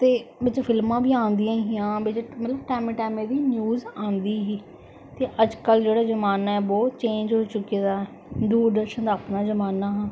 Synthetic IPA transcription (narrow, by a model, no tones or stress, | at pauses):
t̪eːbɪt͡ʃpʰɪlmãːbiːãːnd̪ijãːɦijãːbɪt͡ʃmət̪ləbʈɛːmẽːʈɛːmẽːd̪iːnjuːzãːnd̪iːɦiː | t̪eːʔəd͡ʒkəld͡ʒeːɽaːzəmaːnaːɛːbɔːt̪t͡ʃẽːɲd͡ʒɦoːt͡ʃʊkiːd̪aː | d̪uːɾd̪əɾʃənd̪aːpnaːzəmaːnaːɦãː